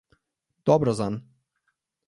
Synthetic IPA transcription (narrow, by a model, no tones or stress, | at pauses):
d̪̥ɔbɾɔzan